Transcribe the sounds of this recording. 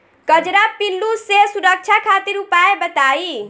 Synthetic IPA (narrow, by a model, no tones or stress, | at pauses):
kəd͡ʒɾapilːusesuɾək̚t͡ʃʰakʰat̪iɾupaebət̪ai